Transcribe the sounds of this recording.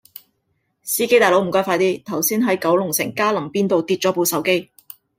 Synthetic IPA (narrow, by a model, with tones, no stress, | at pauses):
siː˥ke˥jt̪aː˨jlo˨˥wm̩˨˩kɔː˥faː˧jt̪iː˥t̪ʰɐ˨˩wsiː˥nɦɐ˨˥jkɐ˨˥wlʊ˨˩ŋsɪ̰˨˩ŋkaː˥lɐ˨˩mpiː˥nt̪o˨˧wt̪iː˧t̚t͡ʃɔ˨˥po˧sɐ˨˥wke˥j